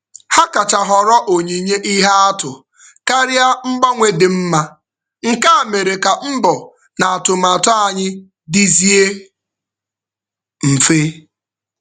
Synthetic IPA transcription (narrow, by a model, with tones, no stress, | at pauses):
ha˦ka˨t͡ʃa˨ɦɔ˨ɾɔ˦ʔo˨ɲe˨ɲe˦ʔi˦ɦa˦a˦tʊ˨ | ka˦ɾja˦m̩˦bɔ˦ŋʷe˨dɪ˨m̩˦ma˦ | ŋ̩˨ka˦a˨me˨ɾe˨ka˨m̩˦bɔ˨ | na˨a˨tʊ˨ma˨tɔ˦a˨ɲɪ˦ | di˦zi˦e˦ | m̩˨fe˦